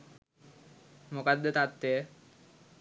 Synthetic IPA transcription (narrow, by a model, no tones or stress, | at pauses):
mukad̪ːət̪at̪ːeə